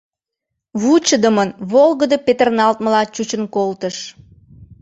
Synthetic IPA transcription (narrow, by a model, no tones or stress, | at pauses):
βut͡ɕəd̪əmənβolɣəd̪əpet̪ərnɑlt̪məlɑt͡ɕut͡ɕənkolt̪əʃ